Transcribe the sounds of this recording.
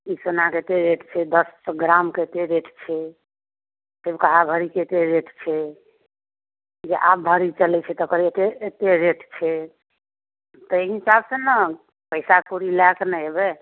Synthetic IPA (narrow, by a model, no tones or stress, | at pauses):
isonaket̪eɾeʈʰt͡ʃʰɛd̪əsɡɾamket̪eɾeʈʰt͡ʃʰɛ | sebkaɦabʱəɾikeet̪eɾeʈʰt͡ʃʰɛ | d͡ʒeʔab̚bʱəɾit͡ʃəlɛt͡ʃʰɛt̪ːkəɾet̪eet̪eɾeʈʰt͡ʃʰɛ | t̪əeɦisabsə̃nə | pəɪsakuɾilaknɛɦebɛ